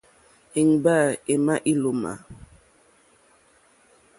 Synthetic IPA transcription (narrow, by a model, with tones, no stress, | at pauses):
i˨ŋba˦˨e˨ma˦ʔi˦lo˨ma̰˨